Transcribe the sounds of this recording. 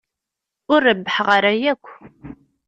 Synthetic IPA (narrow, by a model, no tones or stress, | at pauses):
ʊɾːəbːəħʁəɾæjækʷː